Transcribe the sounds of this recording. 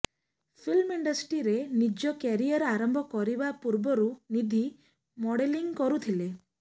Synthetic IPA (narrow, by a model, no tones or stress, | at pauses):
pʰilmiɳɖɔsʈɾiɾenid͡ʒɔkeɾijɔɾaɾɔmbʱɔkɔɾibapuɾbɔɾunid̪ʱi | mɔɽeliŋkɔɾut̪ʰile